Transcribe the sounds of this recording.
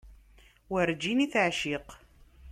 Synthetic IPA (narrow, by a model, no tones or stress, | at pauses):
wəɾd͡ʒiniθʕʃiq